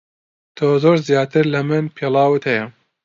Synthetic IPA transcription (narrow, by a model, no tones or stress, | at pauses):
t̪ʰoːzoːɾzjɑːt̪ɨɾlɐmɨnpʰeːlɑːwɨt̪hɛjɐ